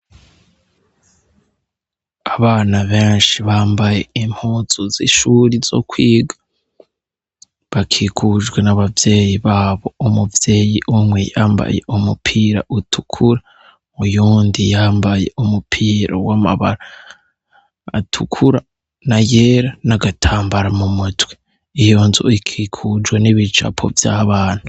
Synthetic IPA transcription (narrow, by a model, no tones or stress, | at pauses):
aβaːnaβeːnʃiβaːmbaje̞im̥huːzozḭʃuɾizo̞̰kwiːɡa | βakʰikʰuʒɡwe̞naβavje̞ːjiβaːβo̞umuvje̞ːjiʔumwejaːmba̰je̞̰ʔumupʰiːɾa̰ʔutʰu̥kʰuɾa | ujuːndijaːmbaje̞̰umupʰiːɾo̰wama̰βa̰ɾa | atʰukʰuɾa | naje̞ːɾanaɡatʰaːmbaɾamumutwe̥ | ijo̞ːnzo̰ikʰikʰud͡ʒweniβit͡ʃa̰pʰo̰vjaβaːn̥hu